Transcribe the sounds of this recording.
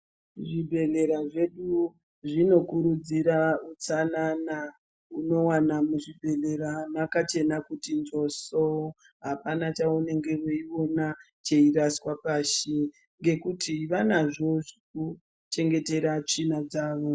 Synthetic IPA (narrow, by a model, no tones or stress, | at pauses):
ʐibʱe̞ɮe̞ɾaʐe̞ɗu | ʐino̞kuɾud͡ziɾaut͡sanana | uno̞wanamuʐibʱe̞ɮe̞ɾamakat͡ʃe̞nakutind͡ʒo̞so | ɦapanat͡ʃaune̞ŋɡe̞woio̞na | t͡ʃe̞iɾaswapaʃe | ŋɡe̞kutʰiʋanaʐoʐik̚u | t͡ʃe̞ŋɡe̞te̞ɾat͡ʂinad͡zaːʋo